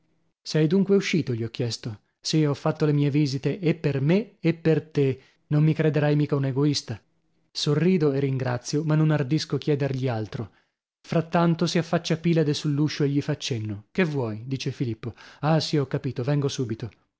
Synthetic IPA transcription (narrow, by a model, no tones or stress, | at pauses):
sɛjd̪uŋkweuʃiːt̪oʎiɔkːjɛst̪o | siɔfːat̪ːolemiːeviːzit̪eʔepːermeepːert̪e | nomːikɾed̪eɾajmiːkauneɡoist̪a | sorːiːd̪oerːiŋɡɾat̪sːjomanːonard̪iskokjɛːd̪erʎialt̪ɾo | fɾat̪ːant̪osiafːat͡ʃːapiːlad̪esulːuʃoeʎːifat͡ʃːenːokevwɔːjd̪iːt͡ʃefilipːoasiɔkːapiːt̪ovɛŋɡosuːbit̪o